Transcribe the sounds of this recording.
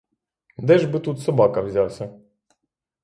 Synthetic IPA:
d̪ɛʐbɨt̪ut̪sɔbakavʲzʲawsʲa

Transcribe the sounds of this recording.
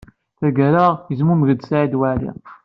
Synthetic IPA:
θæɡæɾajəzmumɣəd̪sʕid̪waʕlḭ

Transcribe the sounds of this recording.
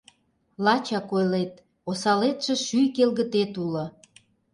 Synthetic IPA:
lɑt͡ɕɑkojlet̪̚ | osɑlet̪ʃĕʃyjkelɣə̆t̪et̪ulŏ

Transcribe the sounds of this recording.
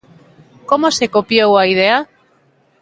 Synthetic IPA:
komosekopjowaið̞ea

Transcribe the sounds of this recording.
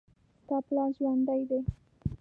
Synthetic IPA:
t̪ɑplɑʒwɑnd̪ajd̪e

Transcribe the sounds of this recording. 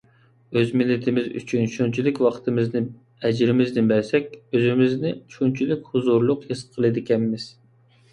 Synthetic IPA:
øzmɪlːɪt̪ʰɪmɪzy̰t͡ʃʰynʃunt͡ʃʰilɪkʲwɑχt̪ʰɨmɪznɪ | ɛd͡ʒɾɪmɪznɪbæɾsɛkʲøzɪmɪznɪt͡ʃʃʰunt͡ʃʰilɪkʲhʊzuɾlˠʊqhesqʰəlˠɨd̪ɪkʲʰɛmːɪz̥

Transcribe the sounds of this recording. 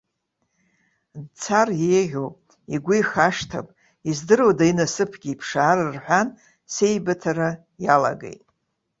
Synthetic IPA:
dt͡sʰarjeʁʲopʼ | iɡʷʊjχaʂtʰa̰pʼ | izdɨrodainasɨpʰɡʲiːpʰʂaːrɨrħʷᶣan | se̞jbatʰaɾa | jala̰ɡḛjtʼ

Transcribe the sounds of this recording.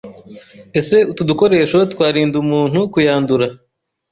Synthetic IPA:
e̞se̞utuduko̞ɾe̞ːʃo̞t̪waːɾiːndumuːn̥hukujaːnduɾa

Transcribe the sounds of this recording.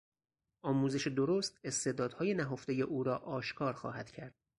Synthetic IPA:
ʔɒːmuːze̞ʃed̪oɾost̪e̞st̪e̞ːd̪ɒːd̪̥hɒːje̞næɦofd̪e̞jeʔuːɾɒːʔɒːʃkʰɒːɾxɒ̰ːhæd̪̥cʰæɾd̪̥̚

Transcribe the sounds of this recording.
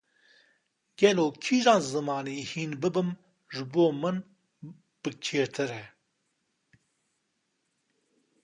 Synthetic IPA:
ɡ̥ɛloːkʰiʒɑːzɨmɑːniːhiːnbɨbɨm | ʒɨboːmɨn | b̥ɨt͡ʃʰeːɾt̪ʰɨɾɛ

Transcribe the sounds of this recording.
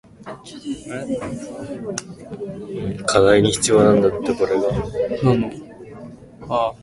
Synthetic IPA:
kʰad̪aiɲ̟içi̥t͡sɨijo̞ːnãnd̪at̪ːeko̞ɾe̞ɡanano

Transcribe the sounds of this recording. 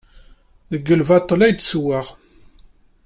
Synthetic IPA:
ðəɡːəlvɑt̪ˤːəlæjd̪swaʁ

